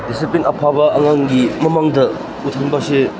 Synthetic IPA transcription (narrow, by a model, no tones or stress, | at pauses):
disiplinɐpʰabɐʔɐŋaŋɡimɐmaŋdɐ | utʰɐŋbase